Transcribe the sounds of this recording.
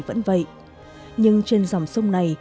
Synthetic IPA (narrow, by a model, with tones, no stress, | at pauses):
və̰˧˥nvə̰˧˨jʔ | ɲɨ˧ŋt͡ɕe˧nza˨˩wŋ͡msə˧wŋ͡mna˨˩j